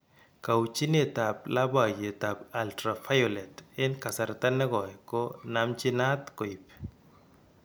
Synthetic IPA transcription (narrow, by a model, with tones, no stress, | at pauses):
ka˨wt͡ʃi˦ne˦ta˨pla˦ba˦˨je˨t̪a˨pa˨ltɾa˨fa˦jo˨lɛ˨tɪ˦nka˨sa˨ɾt̪a˦nːɛ˦ɡɔ˨jkɔ˦namt͡ʃi˦na˦t̪ko˨i˨p